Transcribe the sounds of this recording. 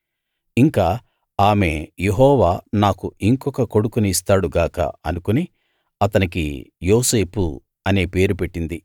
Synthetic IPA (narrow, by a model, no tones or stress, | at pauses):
iŋkaː | aːme̞je̞ɦɔːʋaːnaːkuiŋkɔkɐko̞ɽukuniːst̪aːɽuɡaːkɐ̰ɐnukuni | ɐt̪ɐnik̬ḭjoːse̞ːpṵ | ɐne̞ːpe̞ːɾupe̞ʈːind̪i